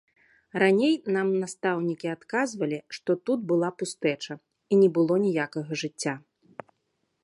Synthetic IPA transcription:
ranʲejnamnast̪awnʲikʲiat̪kazvɐlʲiʂt̪ɔt̪ud̪̚bɨlˠapust̪ɛt͡ʂɐ | inʲɛbɨlˠɔnʲɛjakɐɣɐʐɨt͡sʲːa

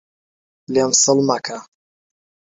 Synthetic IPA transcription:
lemsɨlmakʰa

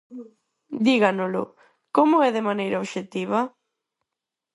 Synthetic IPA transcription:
d̪iɣanʊlʊ̰ | komʊɛðɪmanejɾaoβʃet̪iβ̞a

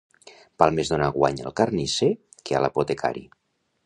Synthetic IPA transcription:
b̥alˠmezðonaɣwa̰ɲa̰lˠkarnise | kea̰la̰pot̪ekʰa̰ɾḭ

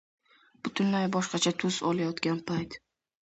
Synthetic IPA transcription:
b̥ʊt̪ʰʊnlajbɒʃqɑt͡ʃʰat̪ʰʊzɒlajɒt̪ɡʲanpʰajt̪

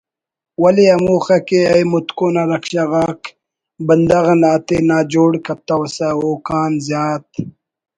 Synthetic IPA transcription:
wɐliɐmuːxakeɐjmut̪koːnaɾɐkʂaɣaːk | bənd̪ɐɣnaːt̪enaːd͡ʒoːɽkɐt̪ːɐwsaoːkaːnzjaːt̪̚

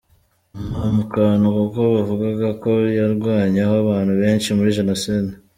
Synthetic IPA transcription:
umamukanukokoβavuɡaɡako̞jaɾɡwaːɲahoaβaːn̥huβe̞ːnʃimuɾiʒenosede

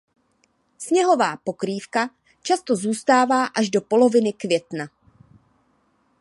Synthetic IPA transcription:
sɲɛɦo̞vaːpo̞kɾiːfka | t͡ʃast̪o̞zuːst̪aːvaːʔaʒdo̞po̞lo̞vɪnɪkvjɛt̪na

